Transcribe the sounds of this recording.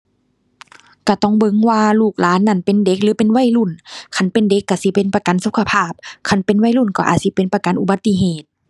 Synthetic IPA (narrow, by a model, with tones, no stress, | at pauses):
ka˧˩t̪ɔ˧˩˨ŋbɤ˧˦ŋwaː˧luː˧˩k̚laː˨˦˥nːa˧˩˨npe˨nde˧˦k̚lɯː˨˦pe˨nwa˧˥˨jlu˧˩˨nkʰa˧˥˩npe˨nde˧˦kːa˧˩si˧˦pe˨˦npa˧ka˨nsu˧˦kʰa˧pʰaː˧˩p̚kʰa˧˩npe˨nwa˧˩˨jlu˧˩˨nkɔ˧˩ʔaː˨˩t̪̚si˧˦pe˨npa˧ka˨nʔu˧˩ba˨˧˦t̪ːi˧˥ɦeː˨˩t̪̚